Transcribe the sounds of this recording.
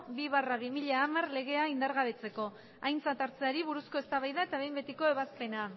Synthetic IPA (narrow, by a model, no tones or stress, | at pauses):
biβaraβimiʎaːmarle̞ɣ̞e̞aind̪aɾɣaβ̞e̞t͡se̞ko̞ | ajnt͡sat̪aɾt͡seaɾiβuɾusko̞e̞st̪aβajðae̞t̪aβe̞jmbe̞t̪iko̞e̞βaspe̞na